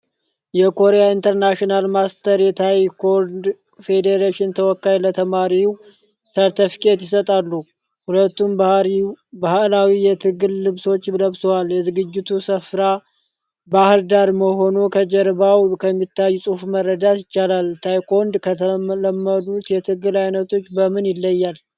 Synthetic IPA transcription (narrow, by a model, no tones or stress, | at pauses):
jɛkʰo̞ɾejaint̪ʰəɾnaʃinalmast̪ʰəɾjɛt̪ʰajkod̪ | fe̞d̪eɾeʃɪnt̪ʰəwɔkːajlət̪ʰəmaɾiw | səɾt̪ʰɨfkʼe̞t̪jɪsət̪ʼalːu | hulət̪ːumb | bahlawijɛt̪ʰɨɡɨlːɨβso̞t͡ʃːləβsowaljɛzɨɡɨd͡ʒːɪt̪ʰusəfɾa | bahld̪aɾməho̞nokʰəd͡ʒɛɾbawkʰəmːit̪ːajːusʼufməɾːəd̪at̪jɪt͡ʃːalalt̪ʰajkʰond̪kʰət̪ʰələmːəd̪ut̪jɛt̪ʰɨɡɨlajnət̪ʰo̞t͡ʃːbəmɨnjɪlːəjːal